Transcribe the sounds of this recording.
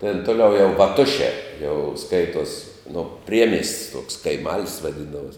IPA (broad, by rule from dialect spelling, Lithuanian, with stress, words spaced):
tʲɛn toːˈlʲɛʊ jɛʊ ʋɐˈtʊʃʲɛː jɛʊ ˈskɐɪtuɔs noː ˈpʲrʲiɛmʲiɛsʲtʲsʲ tuɔks kɐɪˈmɐlʲsʲ ʋɐˈdʲɪndɐʋuɔs